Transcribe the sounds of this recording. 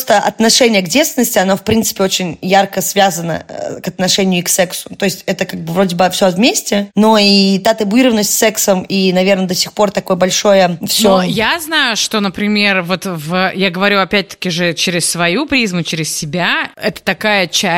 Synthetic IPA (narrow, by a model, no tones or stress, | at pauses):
st̪əʔɐ̰t̪nɐʂɛnʲɪjəɡdʲet̪st̪ʲɪnəsʲtʲɪɐno̞fpɾʲint̪sɨ̥pʲɪo̞t͡ɕɪnʲjarkəsvʲazənə̰ə̰kɐt̪nɐʂɛnʲɪjʊksɛksʊ̥t̪o̞jɪsʲtʲɛt̪əkaɡ̚bɨvɾo̞dʲɪbɨfsʲovmʲesʲtʲɪno̞it̪at̪ɪbʊiɾəvənːəsʲtʲsːɛksəminɐvʲe̞rnəd̪ɐsʲixpo̞rt̪ɐko̞jəbɐlʲʂo̞jəfsʲojaznajʊʂt̪o̞nəpɾʲɪmʲe̞rvo̞t̪vəjaɡəvɐɾʲuɐpʲæt̚ʲt̪ə̥kʲɪʐɨt͡ɕeɾʲɪssvɐjupɾʲizmʊt͡ɕɪɾʲɪssʲɪbʲaɛt̪ə̥t̪ɐkajət͡ɕæ